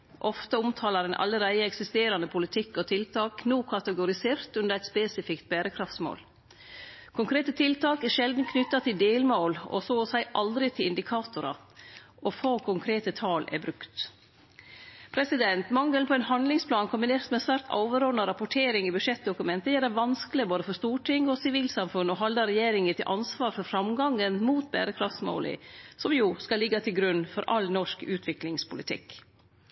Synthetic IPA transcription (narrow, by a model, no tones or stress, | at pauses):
ʔɔft̪əʊmt̪ʰɑːlɑɾɛnʔɑ̰ləɾæɪəɛksɪst̪eːɾɑnəpʰʊlɪt̪ʰɪkːɔt̪ʰɪlt̪ʰɑːknuːkʰɑt̪əɡʊɾɪseːɾt̪ʉnd̪əɾæɪt̪speːsɪfɪkt̪̚bæːɾəkʰɾɑft̪smo̰ːl | kʰʊŋkʰɾeːt̪ət̪ʰɪlt̪ʰɑːkɛʃɛld̪n̩kʰnʏt̪ːɑt̪ʰɪld̪eːlmoːlɔ̰soːɔsæɪʔɑld̪ɾɪt̪ʰɪlɪnd̪ɪkʰɑːt̪ʊɾɑ̰ | ʔɔfoːkʰʊŋkʰɾeːt̪ət̪ʰɑːlʔɛ̰bɾʉkt̪ | pʰɾɛsɪd̪ɛnt̪mɑŋːəlpʰɔɛnhɑnd̪lɪŋspʰlɑːnkʰɔmbɪneːɾsmɛnsʋæːɾt̪ɑ̰ʊʋəɾɔːnɑɾɑpʊʈʰeːɾɪŋɪbʉʂɛt̪̚d̪ʊkʉmɛnt̪əjæːɾd̪æʋɑnskəlɪboːd̪əfɔɾst̪uːʈʰɪŋɔsɪʋiːlsɑmfʉnːɔɦɑld̪ɑɾɛjeːɾɪŋət̪ʰɪ̰lʔɑnsʋɑːɾfɔɾfɾɑmɡɑŋənmuːt̪̚bæ̰ːɾəkʰɾɑft̪smo̰ːlɪ̰sɔmjuːskɑlːɪɡːɑt̪ʰɪlɡɾʉnːfɔɾʔɑ̰lnɔʂkʉːt̪ʰʋɪklɪŋspʰʊlɪt̪ʰɪ̰k